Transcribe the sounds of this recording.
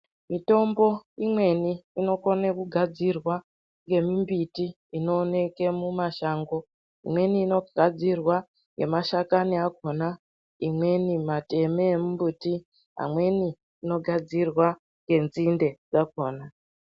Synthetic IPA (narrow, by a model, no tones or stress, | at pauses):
mito̞mbo̞imwe̞niːno̞konekuɡʱad͡zirwa | ŋɡe̞mimbitiː | no̞ːne̞ke̞mumaʃaːŋɡo̞ | ḭmwe̞niːno̞ɡʱad͡zirwa | ŋɡe̞̰maʃakaniakʰo̞na | imwe̞nimate̞meːmumbuti | ɦa̰mwe̞niː | no̞ɡʱad͡zirwa | ŋɡe̞nzinde̞d͡zak̚o̞ːna